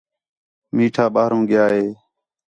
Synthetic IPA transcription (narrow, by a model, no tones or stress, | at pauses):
miːʈʰaːɓaːɾõːɡɪjaːɦeː